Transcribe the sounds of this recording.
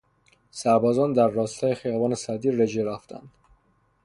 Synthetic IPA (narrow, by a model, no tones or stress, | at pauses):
sæɾbɒːzɒːnd̪æɾːɒːst̪ʰɒːjexijɒːvɒːnesæd̪iːɾɾed͡ʒeɾæft̪ʰæ̰nd̪̥